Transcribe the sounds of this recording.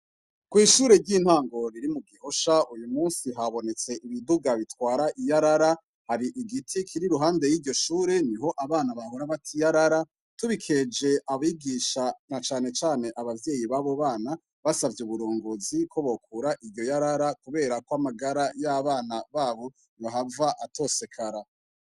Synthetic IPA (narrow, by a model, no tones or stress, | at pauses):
kwiːʃuːɾe̞ɾɟiːn̥haːŋɡo̞ɾiɾimuɡiho̞ʃaujumuːnsiɦaβo̞ne̞t͡se̞ʔiβiduɡaβitwaːɾaʔijaɾaɾa | haɾiʔiɡitʰikʰiɾiɾuɦaːnde̞jiːɾɟo̞ʃuːɾe̞niɦo̞ʔaβaːnaβahoɾaβatʰijaɾaɾa | tuβikʰe̞d͡ʒe̞ʔaβiɡiːʃanat͡ʃaːne̞t͡ʃaːne̞ʔaβavje̞jiβaβo̞βaːna | βasavjeuβuɾoːŋɡozikʰo̞βo̞kuɾaʔiɾjo̞jaɾaɾakuβe̞ːɾakoamaɡaɾajaβaːnaβaːβo̞ | aɦavaʔato̞se̞kʰaɾa